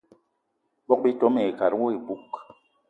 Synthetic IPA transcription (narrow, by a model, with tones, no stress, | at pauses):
bɔ˦k̚bi˦to˦me˨ka˨ɾo˦e˨bu˦k